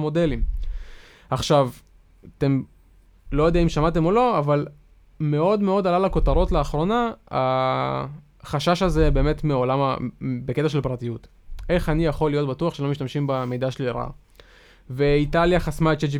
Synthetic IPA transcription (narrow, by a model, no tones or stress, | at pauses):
mo̞de̞lim | aχʃav | at̪e̞m | lo̞jodiaimʃamate̞mo̞lo̞aval | me̞o̞dme̞o̞d̪alalako̞t̪aʁo̞tleaχʁo̞naa̰ | χaʃaʃaze̞be̞ːme̞tmeo̞lamabeke̞taʃ̬e̞lpʁatijut | ʔe̞χanijaχo̞lːijo̞tbatuaχʃe̞lomiʃtamʃimbame̞jdaʃeliɾa̰ | veitaljaχasmaet͡ʃed͡ʒ